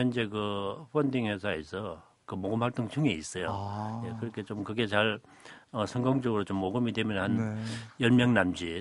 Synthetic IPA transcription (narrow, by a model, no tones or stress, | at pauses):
jʌnd͡ʑe̞kɯɸʌndiŋhe̞sʰaesʰʌ | kɯmoɡɯmhaɭt͈oŋt͡ɕʰuŋeis͈ʌjojekɯɾʌkʰe̞t͡ɕomkɯɡe̞t͡ɕaɭ | ʌsʰʌŋɡoŋt͡ɕʌɡɯɾot͡ɕomːoɡɯmidwe̞mjʌnhanjʌɭmjʌŋnamd͡ʑi